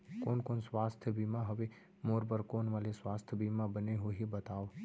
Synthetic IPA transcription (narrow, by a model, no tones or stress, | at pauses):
koːnkoːnsʋaːst̪ʰjəbʱimaɦəʋe | moːɾbəɾkoːnʋaleswaːst̪ʰjəbimabəneɦoɦibət̪aːo